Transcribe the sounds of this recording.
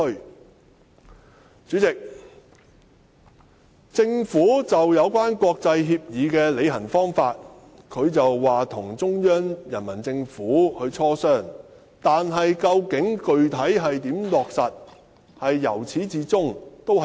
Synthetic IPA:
t͡sy˨˥t͡sɪ˨k̚ | t͡sɪ˧ŋfuː˨˥t͡sɐ˨wjɐ˨˧wkʷaː˥nkwɔː˧k̚t͡sɐ˧jɦiː˧p̚jiː˨˧kɛː˧le˨˧jɦɐ˨˩nfɔː˥ŋfaː˧t̚ | kʰɵ˨˧ɥt͡sɐ˨wːaː˨˩t̪ʰʊ˨˩ŋt͡sʊ˥ŋjœː˥njɐ˨˩nmɐ˨˩nt͡sɪ˧ŋfuː˨˥hɵ˨˧t͡sʰɔː˥sœː˥ŋ | t̪aː˨nɦɐ˨jkɐ˧wkɪ˨˥ŋkɵ˨ɥt̪ʰɐ˨˥jɦɐ˨jt̪iː˨˥mlɔː˨k̚sɐ˨t̚ | hɐ˨jːɐ˨˩wt͡sʰiː˨˥t͡siː˨˧t͡sʊ˥ŋt̪o˥w

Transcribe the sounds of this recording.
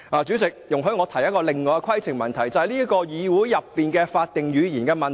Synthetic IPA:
aː˨˩t͡syː˨˥t͡sɪ˨k̚jʊ˨ŋɦɵ˧ɥŋɔː˨˧t̪ʰɐ˨˩jɐ˥t̚kɔː˧lɪ˨ŋːɔː˨˧jɛ˧kʰɐ˥jt͡sʰɪ˨˩ŋmɐ˨nt̪ʰɐ˨˩jt͡sɐ˨˧hɐ˨jliː˥kɔː˧jiː˨˧wuː˨˥jjɐ˨pːiː˨nkɛː˧faː˧t̚t̪ɪ˨ŋjyː˨˧jiː˨˩nkɛː˧mɐ˨n

